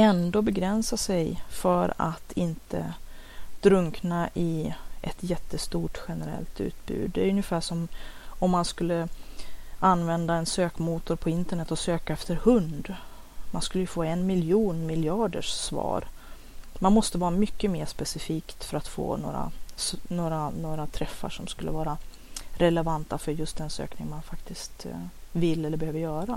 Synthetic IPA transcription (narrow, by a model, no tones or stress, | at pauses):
ɛnd̪oːbɛɡɾɛnsasɛjfœɾa̰t̪ʰɪnt̪ʰə̰ | d̪̥ɾɵŋknaʔɪʔɛt̪jɛt̪ːəst̪uːʈɧɛnəɾɛ̰lt̪ʉ̟̰ːt̪̚bʉ̰ːd̪ːɛjɵnjɪfæːʂɔmɔmːanskɵlːə | anvɛnd̪aɛnsøːkmuːt̪ʊɾpʰɔɪnt̪əɳɛt̪ːɔsøːkaɛft̪əɾhɵnd̪ | manskɵlːəjɵfoːɛnmɪljuːnmɪljɑːɖə̰ʂsvɑ̰ːɾ | manmɔst̪əvɑːɾamʏkːəmeːʂpɛsɪfiːkt̪fœɾat̪fo̰ːno̰ːɾa̰snoːɾanoːɾat̪ʰɾɛfːa̰ʂɔmskɵlːə̰vɑːɾa | ɾɛlɛvant̪afœɾjɵst̪̚d̪ɛnsø̰ːknɪ̰ŋmanfakt̪ɪst̪vɪlːɛlːəɾbɛhøːvəɾjœːɾa